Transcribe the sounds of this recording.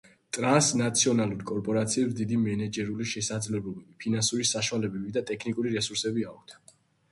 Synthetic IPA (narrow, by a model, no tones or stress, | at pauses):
t̪ʼɾansnat̪sʰiɔnalˠuɾkʼɔɾpʼɔɾat̪sʰiɛbsd̪id̪imɛnɛd͡ʒɛɾuliʃɛsad̪zlɛblɔbɛbipʰinansuɾisaʃwalɛbɛbid̪at̪ʼɛkʰnikʼuɾiɾɛsuɾsɛbiak̚ʰt̪ʰ